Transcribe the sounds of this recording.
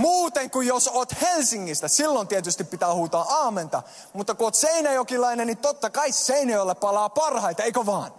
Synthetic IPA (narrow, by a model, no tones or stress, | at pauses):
muːt̪eŋkujjosoːt̪helsiŋːist̪æsilːont̪iet̪yst̪ippit̪æːhuːt̪ɑːɑːment̪ɑ̰ | mut̪ːɑkuoːt̪seinæjokilɑinennit̪ot̪ːɑkɑisseinojolːeppɑlɑːpɑrhɑit̪ɑeikøʋɑːn